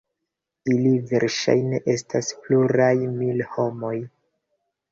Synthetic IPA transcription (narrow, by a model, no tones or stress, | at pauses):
iliveɾʃa̰jne̞ʔe̞staspluɾajmilho̞mo̞j